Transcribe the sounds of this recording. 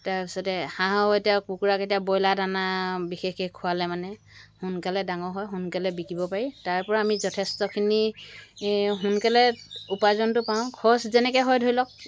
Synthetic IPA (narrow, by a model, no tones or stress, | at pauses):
taɹpisɔtɛhãɦɔɦɔtapukuɹaketiabɔjladanabixexekʰːʊalɛmanɛ | hʊnkalɛdaŋɔɦɔjɦunkalɛbikibɔpaɹitaɹpɔɹaːmizɔtʰestɔkʰini | ɦunkalɛupazɔntʊpaʊ̃kʰɔszɛnɛkɔɦɔjdʱojlɔk̚